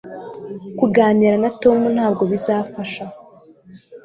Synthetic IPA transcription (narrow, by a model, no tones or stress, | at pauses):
kuɡaːniɾanato̞mun̥haːb̚ɡo̞βizaːfaʃa